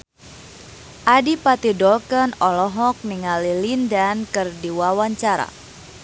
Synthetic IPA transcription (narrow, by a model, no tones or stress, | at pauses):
ʔadipat̪idɔlkənɔlɔɦɔk̚niŋalilindankɨrdiwawaɲt͡ʃaɾa̰